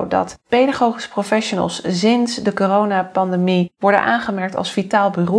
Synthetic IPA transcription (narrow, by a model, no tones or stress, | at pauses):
wdɑ̰tpejdaχowχisə̥profɛʃonə̰lˠssɪnsdəkorownapɑndemiʋɔɹdə̰nʔaːnχəmɛɹk̚tɑ̰lˠsfitaːlˠbyro